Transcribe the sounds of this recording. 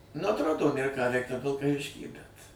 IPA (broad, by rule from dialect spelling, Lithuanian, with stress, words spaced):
nʊ ɐtˈroːdoː ˈnʲeːr kɑː ˈʋʲɛɪkt ˈtɐm ʋʲɪlˠkɐˈʋʲɪʃʲkʲiː bʲɛt